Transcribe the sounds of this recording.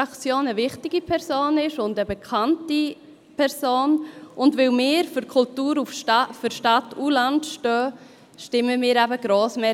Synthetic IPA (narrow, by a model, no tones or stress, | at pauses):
ɑkt͡sjoːnəvɪχtɪɡipʰɛɾsoːnɪʃʊndəbɛkʰanti | pʰɛɾsoːnʔʊndvɪlmɪːɾfʏɾkʰʊltuːɾufʃfʏɾʃtatulantʃtœː | ʃtɪməmɪːɾæbəɡ̥ɾoːsmɛ